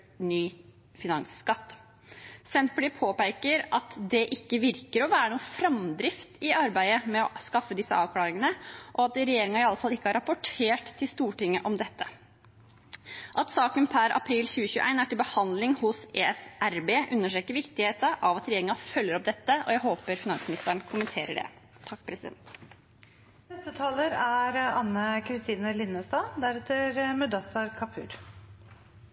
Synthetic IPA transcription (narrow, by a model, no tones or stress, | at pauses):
nyː | fɪnɑŋskɑt̪ː | sɛnt̪bliːpʰoːpæɪkəɾɑt̪d̪ɛʔɪkːəʋɪɾkəɾɔʋæːɾəɳuːəfɾɑmd̪ɾɪft̪ɪɑɾbæɪəmɛɔskɑfːəd̪ɪsːəʔɑːʋkʰlɑːɾɪŋənəʔɔɑt̪̚d̪ɾɛjeːɾɪŋɑɪɑlːəfɑlːɪkːəhɑɾɑpʊʈʰeːʈt̪ʰːɪlst̪uːʈɪŋːəʔɔmd̪ɛt̪ʰːə | ʔɑt̪sɑːkənpʰæɾɑ̰pʰɾiːlçʉːəçʉːʔæ̰ɪnæʈɪlbəhɑnd̪lɪŋhʊseːɛsʔæɾbeːʔʉnːəʂʈɾeːkəɾʋɪkt̪ɪheːt̪əʔɑʋɑt̪ɾɛjeːɾɪŋɑfœlːəɾɔp̚d̪ɛt̪ːəʔɔjæɦoːpəɾfɪnɑnsmɪnɪst̪əɳkʰʊmənt̪ʰeːɾəɖɛ̰ | t̪ʰɑkːpʰɾɛsɪd̪ɛ̰nt̪ | nɛst̪ət̪ʰɑːləɾæɾɑnːəkʰɾɪst̪iːnəlɪnːəst̪ɑːd̪æɾɛt̪ːəɾmœd̪ɑsɑɾkʰɑpʰʉ̰ːɾ